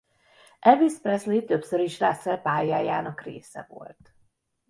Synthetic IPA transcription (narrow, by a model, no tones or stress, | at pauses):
ʔɛvisprɛslit̪øpsøɾiʃlasɛpaːjaːjaːnɒkrḛːsɛ̰vo̞̰lt̪